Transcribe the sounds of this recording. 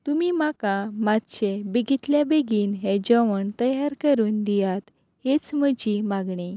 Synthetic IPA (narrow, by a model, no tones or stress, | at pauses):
t̪umimakamad̪t͡ɕebeɡit̪ljabeɡiːnɦẽd͡ʑəʋəɳt̪əjaɾkəɾuːnd̪ijat̪ | het͡sməd͡ʑimaɡɳi